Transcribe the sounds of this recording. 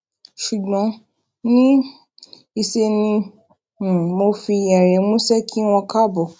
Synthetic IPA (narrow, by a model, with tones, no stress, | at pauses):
ʃu˨ɡ͡bɔ̃˨˦ | nĩ˦ | i˧se˧nĩ˧˨ | mo˧fi˧j̃ɛ̃˨ɾɛ˨˦mũ˦sɛ˦kʰi˦w̃ɔ̃˧ka˦bɔ˨